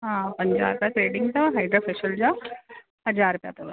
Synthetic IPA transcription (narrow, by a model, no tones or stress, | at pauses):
ɦãpəɲd͡ʑa̰ɾupjatɾeɖiŋɡ̚t̪ɐʋaɦajɖɾəfeɕəld͡ʑa | ɦəd͡zaɾupja̰t̪ɐʋa